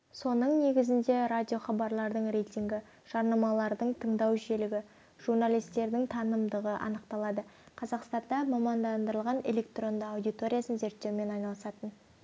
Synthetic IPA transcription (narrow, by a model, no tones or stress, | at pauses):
so̞nəɴne̞ɡʲɪzɪnd̪e̞ɾadʲijo̞χɑbɑɾlˠɑɾd̪əɴre̞jt̪ʲiŋɡʲɪ | ʒ̥ɑɾnɑmɑlˠɑɾd̪əɴt̪ʰəɴd̪ɑwʒe̞lɪɡʲɪ | ʒ̥urnalʲijst̪e̞ɾd̪ɪŋt̪ʰɑnəmd̪əʁəʔɑ̰nəqt̪ɑlˠɑd̪əqʰɑzɑqst̪ɑnd̪ɑmɑmɑnd̪ɑnd̪əɾəlˠʁɑne̞lʲe̞k̚t̪ro̞nd̪əɑwd̪ʲit̪o̞ɾʲijasənze̞ɾt̪ːe̞wme̞nɑjnɑlˠəsɑt̪ən